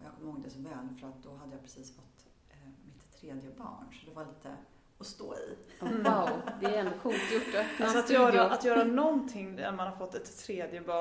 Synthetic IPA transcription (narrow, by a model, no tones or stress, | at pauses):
ɔjaːkʰɔmːəhoːɡŋɪnd̪əsɔvɛːlfœɾat̪̚d̪ɔɦad̪ːəjapɾɛsiːsfɔt̪ː | mɪt̪ʰːɾeːd̪jəbɑ̰ːɳsɔd̪ɛvaɭiːt̪ʰə | ɔst̪o̰ːɪ̰ | d̪ɛɛnkʰult̪jʊʈːɛsɔat̪jœːɾaʔat̪jœːɾanɔnt̪ʰɪŋːæ̰ɾmanhaɾfɔt̪ːɛt̪ʰːɾeːd̪jəbɑː